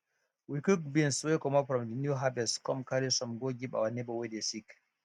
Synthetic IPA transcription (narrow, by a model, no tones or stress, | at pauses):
wikuk̚binswekɔmɔpɾɔmdinjuɦabɛskɔmkaɾisɔmɡoɡiɓa̰wanɛbɔwedɛsik